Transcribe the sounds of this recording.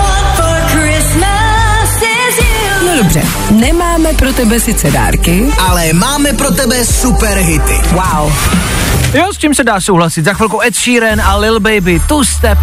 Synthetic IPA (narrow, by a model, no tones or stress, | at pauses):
wɔtfɔɾkɾɪsməsɪ | z | nodobr̝ɛ̰ | nɛmaːmɛpɾot̪ɛbɛsɪt͡sɛda̰ːɾkɪʔalɛmaːmɛpɾot̪ɛbɛsupɛɾɦɪt̪ɪ̰waw | jost͡ʃiːmsɛdaːsowɦlasɪt̪zaxfɪlkowʔɛt̪ʃiːɾɛnalɪlbɛjbɪt̪ust̪ɛ